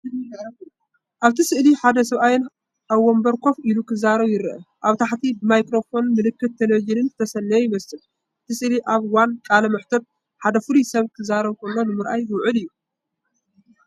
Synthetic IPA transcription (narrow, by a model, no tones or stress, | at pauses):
ʔaβt̪ʰisɨʔliħad̪ɐsɐβʔajɪn | ʔaβːombɐɾkʰo̞fʔilukʰɨzaɾɐβjɪɾɨʔɐʔaβt̪ʰaħt̪ʰibɨmajkɾo̞fo̞nmɨlɨkːɨt̪ːelod͡ʒinɨnt̪ʰɐsɐnːɐjjɪmɐsɨl | ʔɨt̪ʰisɨʔliʔaβwankʼalɐmɐħt̪ʰot̪̚ | ħad̪ɐfɨlisɐβkʰɨzaɾɐβkʰolːo̞nɨmɨɾʔajwɨwʕɨlɨjːu